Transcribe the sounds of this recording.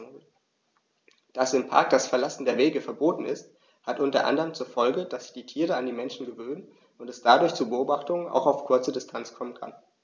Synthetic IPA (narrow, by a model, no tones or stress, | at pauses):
d̥asɪmpʰa̰ɐk̚d̥asfɛɐlasn̩deːɐveːɡəfɛɐboːtn̩ɪst | hatʔʊntɐ̰ʔa̰ndəʁəmt͡suːɐfɔlɡəd̥asz̥ɪ̥çd̥iːtʰiːʁəandiːmɛnʃn̩ɡəvøːnən | ʊntɛsd̥adʊɐçt͡suːbəʔoːbaχtʊŋəna̰ʊxaʊfkʰʊɐt͡sədɪstʰant͡skʰɔmənkʰa̰n